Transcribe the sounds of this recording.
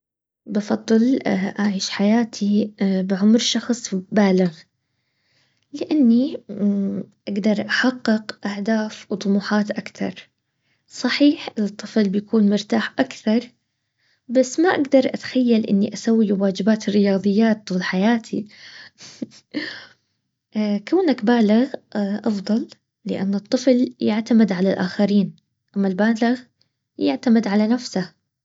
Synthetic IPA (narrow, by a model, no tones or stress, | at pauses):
bɑfɑd̪ˤːɨlʔaʕiːʃħajaːt̪ʰibɪʕʊmɾʃɑxsˤbaːlɪɣ | lɪʔanːi | ʔaɡd̪ɑɾˤʔaħaqːɪqʔahd̪aːfwt̪ˤʊmuːħɑːt̪ʔakθɑ̰ɾˤ | sˤɑħiːħɪt̪ˤːɨflbɪjakʰuːnmʊɾt̪aːħʔakθɑɾˤ | basːmaʔaɡd̪ɑɾˤʔat̪xajːalʔɪ̰nːiʔasawːiwaːd͡ʒɪbaːt̪ɪrːɪjɑːðˤɨjːaːt̪lħajaːt̪ʰḭ | kawnakbaːlɪɣʔɑfd̪ˤɑlː | ɪ̰ʔa̰nːɨt̪ˤːɨfljɪʕt̪amɪd̪ʕalalʔaːxaɾiːn | ʔamːalbaːlɪɣ | jɪʕt̪amɪd̪ʕalanafsa